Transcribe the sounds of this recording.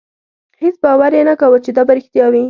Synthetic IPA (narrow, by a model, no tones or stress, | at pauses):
hesbɑwaɾjenakawət͡ʃed̪ɑbaɾɪxt̪jɑwi